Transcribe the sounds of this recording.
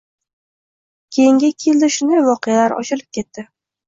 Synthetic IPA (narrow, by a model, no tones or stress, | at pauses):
kʲʰe̞jɪŋɡʲakʲʰe̞ld̪ɪʃʊnd̪ajvɒqejalaɾɒ̰t͡ʃɪlɪp̚kʲe̞t̪ːɪ